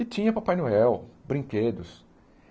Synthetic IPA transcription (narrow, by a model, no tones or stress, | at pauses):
ɪt͡ʃĩɲɐpapajnoɛwbɾĩked̪ʊs